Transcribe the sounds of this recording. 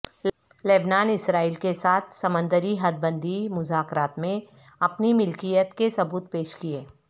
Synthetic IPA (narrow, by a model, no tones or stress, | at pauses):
leːbnaːnɪsɾaːiːlkesaːt̪ʰsɐmə̃nd̪əɾiɦɐd̪̚bə̃nd̪ʱimʊzaːkɾaːt̪mẽ | ɐpnimɪlkijət̪kesɐbuːt̪peːʃkieː